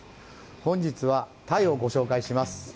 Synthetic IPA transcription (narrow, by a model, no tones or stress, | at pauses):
hõ̞ɲ̟d͡ʑit͡sɨβat̪aio̞ɡo̞ɕo̞ːkaiɕimasɨ̥